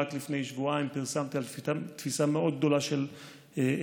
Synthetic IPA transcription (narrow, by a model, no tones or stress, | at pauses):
at̪lifne̞jʃvuaimpiʁsamt̪ialfat̪fisameʔo̞d̪̚ɡ̚d̪o̞laʃel